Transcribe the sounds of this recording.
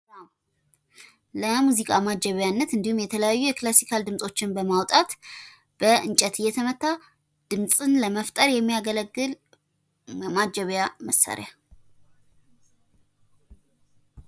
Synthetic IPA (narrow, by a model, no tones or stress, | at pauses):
ləmuzikʼamad͡ʒəβjanːət̪ɨnd̪ihumjɛt̪ʰələjajːujɛklasikʰald̪ɨmsʼo̞t͡ʃːɪnbəmawt̪ʼat̪ | b̥əɨnt͡ʃʼɛt̪ɨjːɛt̪ʰəmət̪ʰːa | d̪̥ɨmsʼɨnləməft̪ʼəɾjɛmːijaɡələɡːɨl | mad͡ʒəβjaməsːa̰ɾḛja